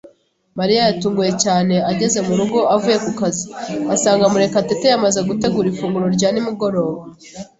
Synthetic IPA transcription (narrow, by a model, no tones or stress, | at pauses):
maɾijajatuːŋɡuje̞caːne̞aɟe̞ze̞muɾuɡo̞ʔavuːje̞kukaziasaːŋɡamuɾe̞katetejamaze̞ɡute̞ɡuːɾifuːŋɡuɾo̞ɾɟaːnimuɡo̞ɾo̞ːβa